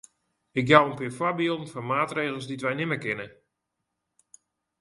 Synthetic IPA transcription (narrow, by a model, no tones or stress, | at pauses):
ɪkjawənpɪːfwabiolˠn̩fɔnmaːtreːɣəl̩ˠsditʋɛjnɪməkɪnə